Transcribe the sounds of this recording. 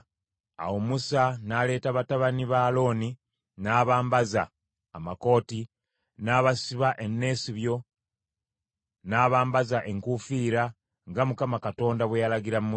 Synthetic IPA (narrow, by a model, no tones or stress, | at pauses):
a̰womusanaːle̞ːtaβataβaniβaːlo̞ːni | naːβaːmbaza̰ː | mako̞ːti | naːβasiβaʔe̞nːe̞ːsiβjo̞ | naːβaːmbazaʔe̞ŋkufiːɾa | ŋɡamukamakato̞ːndaβwejalaɡiɾamum